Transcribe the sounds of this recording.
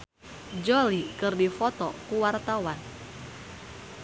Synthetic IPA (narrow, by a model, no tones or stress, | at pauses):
d͡ʒolikɨrdifɔt̪ɔkuwart̪awan